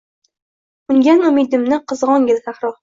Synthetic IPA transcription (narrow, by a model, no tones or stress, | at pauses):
ʊŋɡʲanʊmid̪ɪmnɪqɨzʁɒŋɡʲɪlsahɾɒ